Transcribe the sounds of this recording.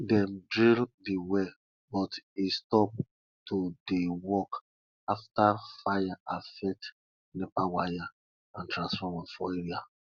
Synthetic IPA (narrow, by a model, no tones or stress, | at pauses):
dɛ̃mdɹildiwe | bɔtistɔp̚ | todewɔk | aftafajaafɛt | nepawaja | ãntɹãnsfɔmafɔeɹia